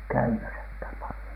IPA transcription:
kæymæsækhæm pɑlĭjon̥

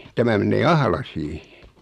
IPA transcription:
tæmæ menˑeː ɑhlɑsiː

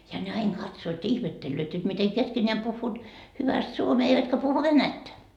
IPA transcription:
jɑ ne ɑin kɑtsoːt jɑ ihmetːelːøːt jot mite keskenʲeæm puhːuːt hyʋæst suomeː eiʋætkæ puhu ʋenætːæ

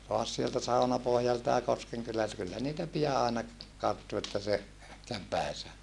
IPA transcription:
toɑs sieltæ sɑunɑpohjɑltɑ jɑ koskeŋkylæltæ kylːæ niːtæ pijɑ ɑˑenɑ kɑrtːu etːæ se kæʋ pæˑisæ

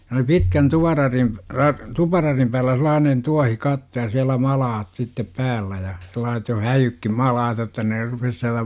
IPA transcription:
se oli pitkæn tuʋɑrɑrim rɑ tupɑrɑrim pæːlːæ selˑɑːnen tuɑhikɑtːo jɑ siælæ mɑlɑːt sitːep pæːlːæ jɑ selˑɑːset jo hæjykːim mɑlɑːt jotːɑ ne rupes siælæ

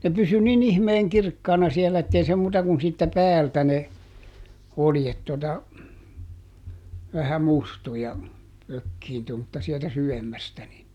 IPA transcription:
ne pysy nin ihmeːŋ kirkːɑːnɑ sielæ etːei se muːtɑ kun siːtːæ pæːltæ ne oljet totɑ ʋæhæ mustu jɑ økːiːntu mutːɑ sieltæ syʋemːæstæ ni

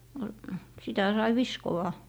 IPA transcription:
no sitæ sɑi ʋiskowɑ

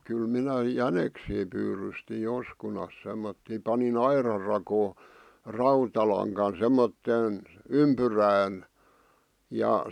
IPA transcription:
kyl minæ jæneksiː pyːrysti joskunɑs semːotːiˑ pɑnin ɑirɑr rɑkoː rɑutɑlɑŋkɑn semːotːeːn ympyræːn jɑ

